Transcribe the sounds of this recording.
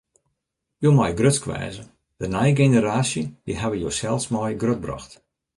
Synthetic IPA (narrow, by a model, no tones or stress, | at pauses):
joːmɔjɡrøtskʋɛ̰ːzə | d̥ənajɡenəɾaːsjədiɦɛʋəjoːsɛlˠsmɔjɡrøt̚brɔ̰xt